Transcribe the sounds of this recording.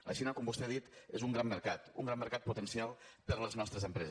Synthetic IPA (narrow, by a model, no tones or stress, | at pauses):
lə̰ʃinəkɔmbust̪eðit̪ezuŋɡɾamːəɾkat̪ṵŋɡɾamːəɾkat̪̚put̪ənsialˠpəɾləznɔst̪ɾəzəmpɾɛz